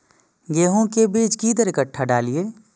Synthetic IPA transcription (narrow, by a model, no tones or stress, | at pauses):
ɡeːɦõkebiːt͡ʃkiːd̪əɾɪkəʈʰːaɖaːlieː